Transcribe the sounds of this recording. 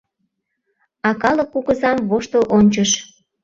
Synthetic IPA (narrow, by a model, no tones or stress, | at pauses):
ɑkɑləkːuɣəzɑmβoʃt̪əʔonʲt͡ɕəʃ